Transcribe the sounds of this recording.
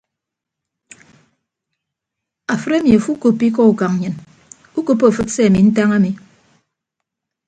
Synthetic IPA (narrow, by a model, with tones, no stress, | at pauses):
a˨fɨ˦ɾe˦mi˨a˨fu˦ko˨pːi˦k̬ɔ˦u˨ka˨ŋ˨ɲɨ˨n | u˦ko˨po˦˨fɨ˦t̚se˦a˨mi˨n̩˦ta˦ŋa˦mi˨